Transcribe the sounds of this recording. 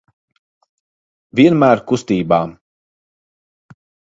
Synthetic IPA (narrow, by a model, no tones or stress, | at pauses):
vʲiɛnmæːɾkust̪iːbaː